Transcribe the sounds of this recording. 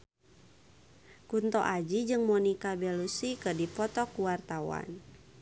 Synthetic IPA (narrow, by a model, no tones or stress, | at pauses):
kunt̪ɔ̰ʔad͡ʒid͡ʒɨŋmɔnikabɛlusikədipɔt̪ɔkuwart̪awa̰n